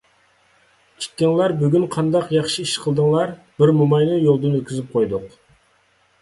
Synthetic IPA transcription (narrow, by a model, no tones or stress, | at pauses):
kʲʰi̥t̪̚ʲkʲɪŋlˠɑɾbyɡʲynqʰɑnd̪ɑqjɑχʃiiʃqʰəlˠd̪əŋlˠɑɾ | b̥ɪɾmumɑjnɨjolˠd̪ɨnøt̪̚ʲkʲizɪp̚qʰojd̪ʊq